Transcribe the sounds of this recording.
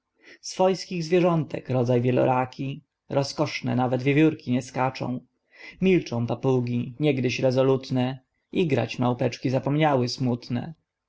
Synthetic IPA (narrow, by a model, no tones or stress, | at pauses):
sfɔjskʲiɣzvʲjɛʐɔnt̪ɛ̰kɾɔd̪zajvʲjɛlɔ̰ɾakʲi | ɾɔskɔʂnɛ̰navɛd̪vʲjevʲjuɾkʲiɲɛskat͡ʂɔ̰̃w̃ | mʲilt͡ʂɔ̃w̃papuɡʲiɲɛɡd̪ɘɕɾɛzɔlut̪nɛ | iɡɾa̰t͡ɕmawpɛt͡ʂkʲizapɔmɲawɘsmut̪nɛ̰